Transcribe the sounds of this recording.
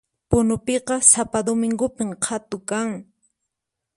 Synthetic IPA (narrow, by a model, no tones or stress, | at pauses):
pʊnʊpeqɑsapad̪omɪŋɡʊpɪmqʰat̪ʊkaŋ